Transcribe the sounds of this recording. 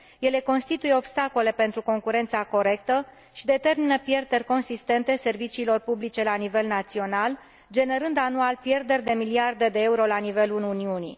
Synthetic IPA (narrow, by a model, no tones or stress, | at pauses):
je̞le̞ko̞nst̪it̪uje̞o̞bst̪ako̞le̞pe̞nt̪ɾuko̞ŋkuɾe̞nt̪sako̞ɾe̞kt̪ə | ʃid̪e̞t̪e̞rminəpje̞rd̪e̞rʲko̞nsist̪e̞nt̪e̞se̞rvit͡ʃiːlo̞rpublit͡ʃe̞lanive̞lnat̪sio̞nal | d͡ʒe̞ne̞ɾɨnd̪anualpje̞rd̪e̞rʲd̪e̞miliard̪e̞d̪e̞euɾo̞lanive̞lununiuni